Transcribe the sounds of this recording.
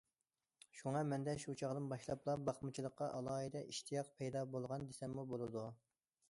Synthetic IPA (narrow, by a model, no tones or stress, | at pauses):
ʃuŋɑmɛnd̪ɛʃut͡ʃʰɑʁd̪ɨnbɑʃlˠɑplˠɑbɑχmɨt͡ʃʰilˠəqːɑʔɑlˠɑːɦid̪ɛʔiʃt̪ʰijɑq̚pʰɛjd̪ɑbolˠʁɑnd̪esɛmːubolˠɨd̪u